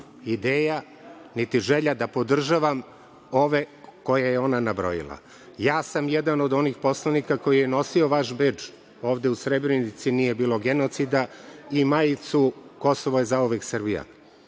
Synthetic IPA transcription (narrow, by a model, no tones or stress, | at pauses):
id̪eːja | nit̪iʒe̞ʎad̪apo̞d̪r̩ʒaʋam | o̞ʋe̞ko̞jajeo̞nanabɾo̞̰jḭla̰ | jaːsamjed̪ano̞d̪o̞niːxpo̞slˠanikako̞jijeno̞sio̞ʋaʃbed͡ʒ | o̞ːʋd̪e̞usɾebɾenit̪sinije̞biːlˠo̞ɡeno̞t̪sid̪aimajit̪suko̞soʋojezaoʋeksrbija̰